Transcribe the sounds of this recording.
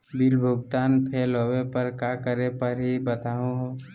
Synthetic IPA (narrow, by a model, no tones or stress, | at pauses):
bilbʱʊɡt̪aːnpʰelɦoːwepəɾkaːkəɾepəɾɦibət̪aːɦõɦo